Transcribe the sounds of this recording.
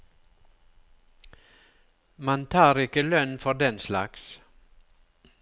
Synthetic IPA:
mɑnt̪ʰɑːɾɪkəlœnfɔd̪ɛnslɑ̰ks

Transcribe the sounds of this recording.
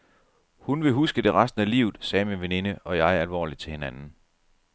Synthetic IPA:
hunʋe̝ɦusɡ̥əd̥e̝ʁɑsd̥n̩ælḭːʊð̩ˠsɛːminʋe̝ne̝nəɒ̽jɑ̈ɪæɐælʋɒ̰ːlid̥̚t͡sʰe̝he̝nænn̩

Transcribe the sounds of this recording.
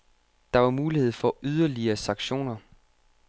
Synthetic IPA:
d̥ɑ̈ʋɑ̈muːlihe̝ð̞̰ˠfɒ̽ʔyð̞ˠɐliɐːsɑ̈ŋɡ̥ɕo̝̰ːnɐ

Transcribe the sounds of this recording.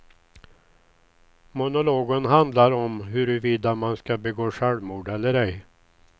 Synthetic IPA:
mʊnʊloːɡənɦand̪laɾɔmɦɵɾɵviːd̪amanskabɛɡoːʂɛɽmuːɖɛlːəɾɛj

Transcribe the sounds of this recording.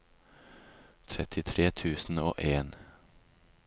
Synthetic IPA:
t̪ʰɾɛt̪ʰɪt̪ʰɾeːt̪ʰʉːsn̩o̰ːʔeːn

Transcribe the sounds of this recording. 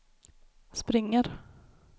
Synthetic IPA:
spɾɪŋːəɾ

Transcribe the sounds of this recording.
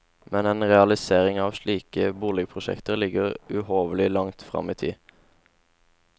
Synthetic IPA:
mʔɛneːnʁɛɑlɪseːʁɪŋɑːʋʃɭiːkəbuːlɛɡpʰʁʊʃɛ̰kt̪əʁlɪɡəʁʉhoːʋəlɪlɑŋt̪fʁɑ̰miːt̪ʰḭː

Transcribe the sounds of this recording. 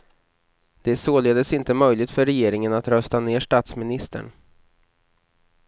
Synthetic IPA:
d̪̥ɛæsoːleːd̪əsɪnt̪əmœjlɪɡt̪fœɾɛjeːɾɪŋənat̪ɾœst̪aneːʂʈaːt̪smɪnɪst̪ʰə̰ɳ

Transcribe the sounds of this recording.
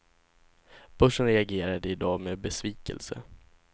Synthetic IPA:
b̥œʂənɾɛaɡeːɾad̪əɪd̪ɑːmeːbɛsviːkə̰lsə̰

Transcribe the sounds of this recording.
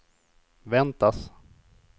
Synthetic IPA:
vɛnt̪as

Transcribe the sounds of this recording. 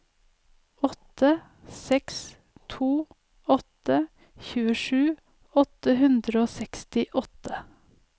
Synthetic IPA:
ɔt̪ə | sɛks | t̪ʰuː | ɔt̪ə | çʉːəʃʉː | ɔt̪əhʉnd̪ɾəoːsɛkst̪ɪʔɔt̪ə

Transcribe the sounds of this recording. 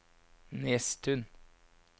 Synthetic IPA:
nest̪ʰʉn

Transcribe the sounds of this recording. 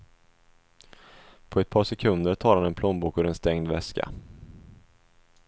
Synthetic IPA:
pʰɔɛt̪̚pʰɑːʂɛkʰɵnd̪əɾʈʰɑːɾhanɛnpʰlɔmbuːkɵɾɛnst̪ɛŋd̪vɛ̰skʰa̰

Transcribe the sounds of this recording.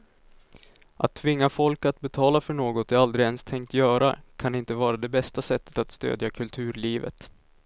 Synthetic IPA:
ʔa̰t̪ʰːvɪŋːafɔlkat̪̚bɛt̪ʰɑːlafœɳoːɡɔt̪jaɾald̪ɾɪɛnst̪ʰɛŋk̚t̪jœːɾa̰kʰanɪnt̪əvɑːɾad̪ɛbɛst̪asɛt̪ːə̥t̪at̪st̪ø̰ːd̪jakʰɵlt̪ʰʉ̟ːɾɭiːvə̰t̪

